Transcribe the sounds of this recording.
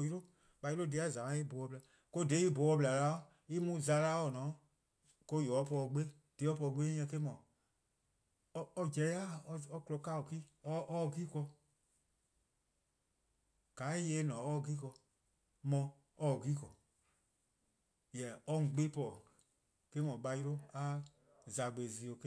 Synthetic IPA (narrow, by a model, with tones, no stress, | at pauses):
ji˦ɾo˦ | ɓa˨ji˦ɾo˦de˧˦a˦˨zã˨ã˨˦i˦bo˨ɔ˧bla˨ | ko˦de˨˦i˦bo˨ɔ˧bla˨la˨˦o˦ | i˦mũ˧˦za˨˦˧la˦ɔ˨nɔ̃ː˨˦ | ko˧jɔ˨˦pɔ˧ɡ͡be˦ | d̥e˨˦ɔ˦pɔ˧ɡ͡be˦ɛ̃˧ke˦mɔ̃˨˦˧ | d͡ʒɛ˧˦a˦˨ɔ˧ɔ˧klɔ˧ka˦˨o˨ki˦ɔ˦ʔɔ˦˧ɡiː˦kɔ˧ | ɡ̥a˨˦i˦jeː˧˦nɔ̃˨ɔ˦˧ɡiː˦kɔ˧ | mɔ̃˧ | ɔ˦˨ɡiː˦kɔ˨ | jɛ˨ɔ˦ŋ̩̃˨ɡ͡be˦pɔ˨ | ke˦mɔ̃˨ɓa˧ji˧ɾo˦a˦ | za˨ɡ͡be˨zi˧˦o˧ke˦